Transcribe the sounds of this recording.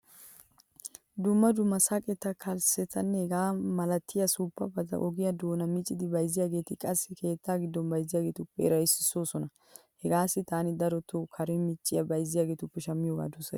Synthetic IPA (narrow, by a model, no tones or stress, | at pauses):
d̪ʊmːɐd̪ʊmːɐsakʼɛt̪ːɐkʰɐlsɛt̪ʰːɐnːɛhɛɡaːmɐlɐt̪ʰːɪjɐsuːpːɐ̰bɐzɐ̰ʔɔɡɪjɐd̪o̞ːnɐmɪt͡ʃʼːɪd̪ɪbɐjzːɪjaːɡe̞ːt̪ɪkʼɐsːɪkʰe̞ːt̪ːaːɡɪd̪ːɔnbɐjzɪjaːɡe̞ːt̪ʊpːɛɛɾɐjsːɪsːo̞ːsɔnɐ | hɛɡaːsːɪt̪aːnɪd̪ɐɾɔt̪ːɔkʰɐɾɛmɪt͡ʃʼːɪjɐbɐjzɪjaːɡe̞ːt̪ʊpːɛʃɐmːɪjoːɡa̰ːd̪ʊsɐ̰